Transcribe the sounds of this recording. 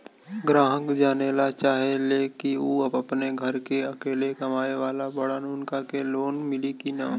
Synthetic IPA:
ɡɾaːɦə̃kd͡ʒaːnelat͡ʃaːɦeleːkiuːɐbɐpneɡʱɐɾkeɐkeːlekɐmaːeʋaːlabɐɽənʊnkakeloːnmɪlikinaːm

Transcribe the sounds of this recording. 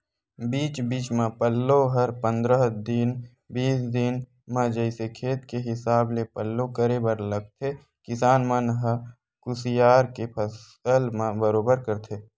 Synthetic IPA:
biːt͡ʃbiːt͡ʃmãpəlːoɦəɾpə̃nd̪ɾəɦd̪ɪn | biːsd̪ɪn | mãd͡ʒəɪsekʰeːt̪keɦɪsaːblepəlːokəɾebəɾləɡ̚t̪ʰe | kɪsaːnmãnəɦə | kʊsɪjaːɾkepʰəs | əlmãbəɾoːbəɾkəɾt̪ʰeː

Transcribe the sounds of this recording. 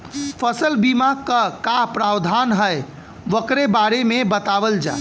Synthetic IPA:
pʰəsəlbimakəkapɾawd̪ʱanɦəj | ʋəkɾebaɾemebət̪aʋəld͡ʒa̰

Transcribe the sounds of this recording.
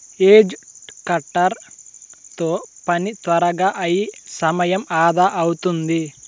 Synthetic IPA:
eːd͡ʒkɐʈːɐɾ | t̪oːpɐnit̪ʋɐɾɐɡaːʔɐjisɐmɐjɐmaːd̪aːʔɐwut̪und̪i

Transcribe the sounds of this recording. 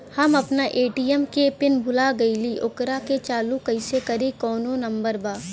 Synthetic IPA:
hɐmɐpnaʔeːʈiːjɛmkepɪnbʱʊlaɡɐiliːʔʊkɾaket͡ʃaːlukɐɪsekɐɾikɔːnõnɐmbəɾbaː

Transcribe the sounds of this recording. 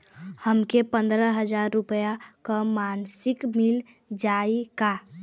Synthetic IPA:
həmkepə̃nd̪ɾəɦəd͡ʒaːɾːʊpəjakamaːnsɪkmɪl | d͡ʒaika

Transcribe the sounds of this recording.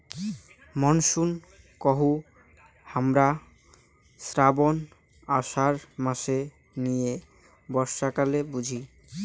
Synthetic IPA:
mɔnʃun | kɔɦu | hamɾa | sɾabon | aʃaɾmaʃe | nije | bɔɾʃakalebud͡ʑʱi

